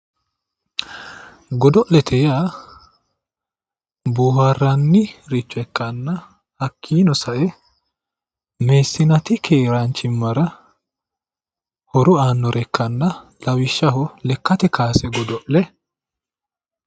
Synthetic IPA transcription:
ɡɔd̪ɔʔlɛt̪ʰɛjaː | buːharːɐnːɪɾɪt͡ʃːʊɛkːɐnːɐ | hɐkʰːiːnɔsɐʔɛ | meːsːɪnɐt̪ɪkʰeːɾant͡ʃːɪmːɐɾɐ | hɔɾʊaːnːɔɾʔɛkːɐnːɐlɐwɪʃːɐɦɔlɛkːɐt̪ɛkaːsɛɡɔd̪ɔʔlɛ

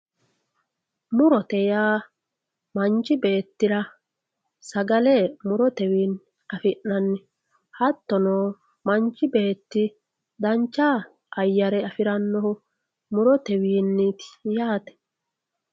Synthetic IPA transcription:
mʊɾɔt̪ɛjaː | mɐnt͡ʃːɪbeːt̪ːɪɾɐ | sɐɡɐlɛmʊɾɔt̪ɛwiːn | ɐfɪnːɐnːɪ | hɐt̪ːɔnoː | mɐnt͡ʃːɪbe̞ːt̪ːɪ | d̪ɐnt͡ʃːaː | ʔɐjːɐɾɛɐfɪɾɐnːɔhʊ | mʊɾɔt̪ɛwiːnːit̪ɪ̥jaːt̪ɛ̥

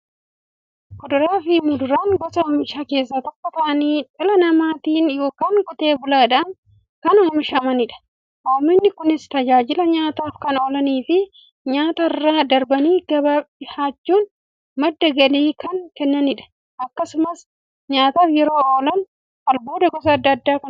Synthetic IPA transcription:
kʊd̪ʊɾaːfɪmʊd̪ʊɾaːŋɡɔsɐoːmɪʃaːke̞ːsːat̪ɐkːɐt̪ɐʔɐniːt̪ɪlɐnɐmaːt̪iːnjo̞ːkaːŋɡʊt̪e̞ːbʊlaːd̪ɐn | kɐnoːmɪʃɐmɐnɪᶑɐ̥ | ʔoːmɪnːɪkʊnɪst̪ɐd͡ʒaːd͡ʒɪlɐɲaːt̪aːfkɐnoːlɐniːfɪ | ɲaːt̪ɐɪrːaːd̪ɐɾbɐniːɡ̥ɐbaɪhaːt͡ʃːuːn | mɐd̪ːɐɡɐliːkɐŋkɛnːɐnɪᶑɐ̥ | ʔɐkːɐsʊmɐs | ɲaːt̪aːfjɛɾo̞ːʔoːlɐn | kɐlbo̞ːd̪ɐɡɔs̬ɐɐd̪ːɐɐd̪ːaːkɐn

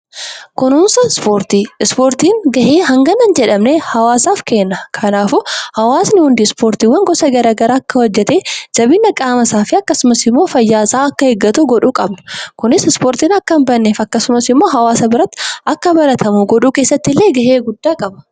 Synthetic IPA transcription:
kʊnʊnsɐnspoːɾt̪iːɪspoːɾt̪iːŋɡɐheːɦɐŋɡɐnɐnd͡ʒɛᶑɐmnehɐwaːsaːfkeːnːɐkʰɐnaːfʊhɐwaːsnɪhʊnd̪iːspoːɾt̪iːwːɐŋɡɔsɐɡɐɾaːɡɐɾaːɐkːɐwɔd͡ʒːɛt̪eːd͡ʒɐbɪnːɐkʼaːmɐsaːfɪɐkːɐsʊmɐsɪmːo̞ːfɐjːaːsaːɐkːɐhɛɡːɐt̪uɡɔᶑuːkʼɐbnɐ̥kʊnɪsɪspoːɾt̪iːnɐkːɐmbɐnːeːfɐkːɐsʊmɐsɪmːo̞ːɦɐwaːsɐbɪɾɐt̪ːɐkːɐbɐɾɐt̪ʰɐmuɡɔᶑuːke̞ːsːɐt̪ːɪlːe̞ːɡɐheːɡʊd̪ːaːkʼɐbɐ

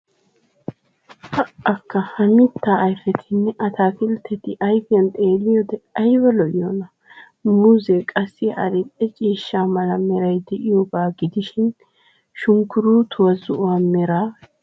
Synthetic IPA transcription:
hɐʔɐkːɐhɐmɪt̪ːaːjfɛt̪ʰɪnːɛʔɐt̪ʰaːfɪlt̪ʰːɛt̪ɪʔɐjfɪjɐnt̪ʼe̞ːlɪjod̪ɛʔɐjbɐlɔʔɪjonɐ | muːzɛkʼɐsːɪɐ̰ɾɛɛt͡ʃʼiːʃːaːmɐlɐmɛɾɐjd̪ɛʔɪjobaːɡɪd̪ɪʃɪn | ʃʊŋkːʊɾuːt̪ʰʊwɐzʊʔʊwaːmɛɾa

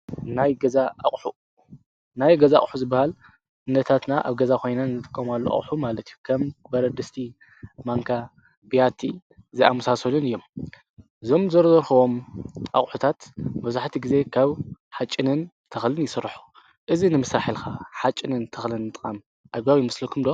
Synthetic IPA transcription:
najɡɐzaʔa̰χʼħu | najɡɐzaa̰χʼħuzɨbːahal | ɨnːɐt̪ʰat̪naʔa̰βɡɐzakʰo̞jnanzɨt̪ʼɨkʼːɐmalːo̰ʔa̰χʼħumalɐt̪ʰijukʰɐmbɐɾɐd̪ɨst̪ʰi | maŋkʰa | bijat̪ʰi | ziamɐsasɐlunɨjːo̞m | ʔɨzo̞mzɐɾzɐɾxɐwo̞mʔa̰χʼħut̪ʰat̪mɐβzaħt̪ʰiɡize̞kʰaβħat͡ʃʼːɪnɨn | t̪ʰɐxlɨnjɪsɨɾħu̥ | ʔɨzinɨmɨsaħilkʰaħat͡ʃʼːɪnɨnt̪ʰɐxlɨnːɨt̪ʼɨxʼam | ʔaβɡaβimɐslɐkʰumd̪o̞

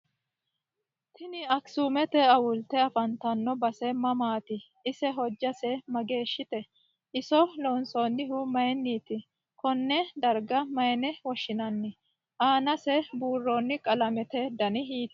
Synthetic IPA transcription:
t̪ɪnɪɐksumɛt̪ɛɐwʊlt̪ɛɐfɐnt̪ɐnːɔbɐsɛmɐmaːt̪ɪ | ʔɪsɛɦɔd͡ʒːɐsɛmɐɡe̞ːʃːɪt̪ɛ | ʔɪsɔlɔnsoːnːɪɦʊmɐjɛnːiːt̪ɪ | kɔnːɛd̪ɐɾɡɐmɐjɛnɛwɔʃɪnɐnːɪ | ʔaːnɐsɛbuːrːonːɪkʼɐlɐmɛt̪ɛd̪ɐnɪɦiːt̪

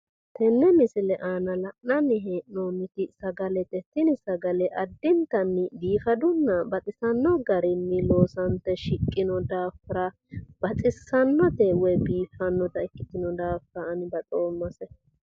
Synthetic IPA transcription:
t̪ʰɛnːɛmɪsɪlɛʔaːnɐlɐʔnɐnːɪɦeːʔnoːnːɪt̪ɪsɐɡɐlɛt̪ɛt̪ːɪnɪsɐɡɐlɛʔɐd̪ːɪnt̪ɐnːɪd̪iːfɐd̪ʊnːɐbɐt̪ʼɪsɐnːɔɡɐɾɪnːɪloːsɐnt̪ːɛʃɪkʼːɪnɔd̪aːfɪɾɐ | b̥ɐt͡sʼɪsɐnːɔt̪ɛwɛjbiːfɐnːɔt̪ɐɪkːɪt̪ɪnɔd̪aːfɾɐɐnɪbɐt̪ʼo̞ːmːɐsɛ

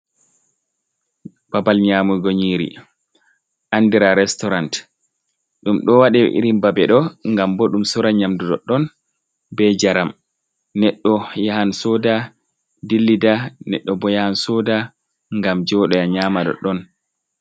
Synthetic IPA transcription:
b̥abalɲaːmuɡoɲiːɾḭ | ʔandiɾaɾɛstɔɾant | ɗumɗɔwaɗɛʔḭɾimbabɛɗɔŋɡambɔɗumsɔɾaɲamdudɔɗɔn | bɛd͡ʒaɾam | nɛɗːɔjahansɔda | dilːidanɛ̰ɗːɔbɔjahansɔːda | ŋɡamd͡ʒɔɗɔjaɲaːmaɗɔ̰ɗɔn

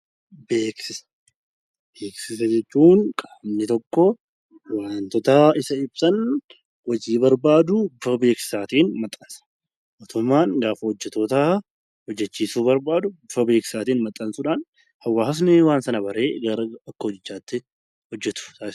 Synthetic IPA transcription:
beːksɪsɐ̥ | beːksɪs̬ɐd͡ʒɛt͡ʃːuːnkʼaːbnɪt̪ɔkːɔ | waːnt̪ɔt̪ɐɪsɐɪbsɐn | wɐd͡ʒiːbɐɾbaːd̪ʊbʊfɐbe̞ːksɪ̥saːt̪iːnmɐt̪ʼːɐnsɐ̥ | ʔoːt̪ʊmːaːnɡaːfɐhɔd͡ʒːɛt̪oːt̪a | hɔd͡ʒːɛt͡ʃːiːsuːbɐɾbaːd̪ʊbʊfɐbe̞ːksɪ̥saːt̪iːnmɐt̪ʼːɐnsʊᶑaːn | hɐwːaːhɐsnɪwaːnsɐnɐbɐɾe̞ːɡɐɾɐɐkːɐhɔd͡ʒɪd͡ʒːaːt̪ːɪ | hɔd͡ʒːɛt̪ʊ̥saːɪ

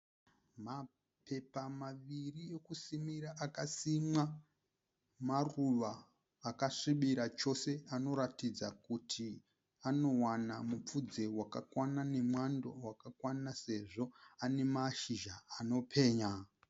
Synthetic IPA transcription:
ma | pʰe̞pamaʋirie̞kusimiɾaʔakasimwa | maruʋaː | kaʂiɓiɾat͡ʃo̞se̞ano̞ɾatid͡zakutʰi | ano̞wanamup͡fud͡ze̞wakakwanane̞mwando̞wakakwanase̞ʐo̞ane̞maʃiʒaːno̞pʰe̞ːɲa

